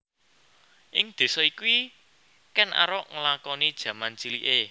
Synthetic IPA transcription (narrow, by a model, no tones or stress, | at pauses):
ʔɪŋd̪̥e̤sɔikuwi | kɛnʔa̰ɾɔʔŋəlakɔnid̥ʒ̥ä̤mant͡ʃiliʔe